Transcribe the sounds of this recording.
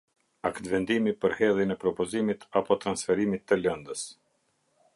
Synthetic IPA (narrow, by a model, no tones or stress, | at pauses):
akt̪vɛnd̪imipəɾhɛlˠinɛpɾɔpɔzimit̪ʰapɔt̪ɾansfɛɾimit̪ːəlɛnd̪əs